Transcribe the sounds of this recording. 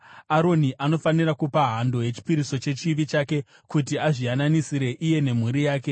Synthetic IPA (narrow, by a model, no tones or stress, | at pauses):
aɾo̞niʔano̞fanirakupaɦando̞je̞t͡ʃi̥piɾiso̞t͡ʃe̞t͡ʃiʋit͡ʃaːke̞ | kutiaʐiananisiɾe̞ʔije̞ne̞m̤uɾijaːke̞